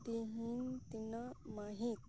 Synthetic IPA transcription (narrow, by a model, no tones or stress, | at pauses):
d̪iɦint̪inamaɦit̪